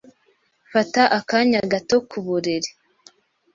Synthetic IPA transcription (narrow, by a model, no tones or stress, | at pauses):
fataʔakaɲaɡato̞kʰuβuɾeɾe̥